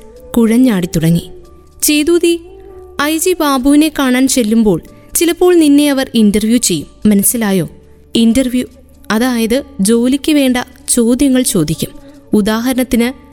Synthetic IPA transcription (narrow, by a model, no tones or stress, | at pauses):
kuɻɐɲːaːɽit̪uɽɐŋːi | t͡ɕe̞jðuːðiɐjd͡ʑibaːbuʋine̞kaːɳaːnt͡ɕe̞lːumbo̞ːɭ | t͡ɕilɐpːo̞ːɭninːe̞ɐʋɐrindɐrʋjut͡ɕe̞jːumːɐnɐsːilaːjo̞ː | indɐrʋju | ɐðaːjɐðɨd͡ʑo̞ːlikʲːɐʋe̞ːɳɖɐ | t͡ɕo̞ːd̪ʱjɐŋːɐɭt͡ɕo̞ːd̪ʱikʲːum | ud̪aːɦɐɾɐnɐt̪ːinɨ